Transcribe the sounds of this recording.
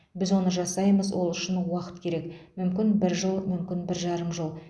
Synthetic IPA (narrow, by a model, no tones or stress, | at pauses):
bɪzwo̞nəʒɑsɑjməzwʔolˠʏʃɪnwɑqə̥t̪kʲʰe̞ɾe̞kmʏmkʲɪnbɪɾʒəlˠmʏmkʲɪnbɪɾʒɑɾəmʒəlˠ